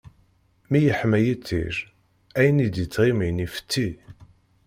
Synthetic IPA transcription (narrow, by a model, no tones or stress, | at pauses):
mijəħmæjit͡sːḭʃ | æjənid̪it͡sːʁiminifə̥t̪ːi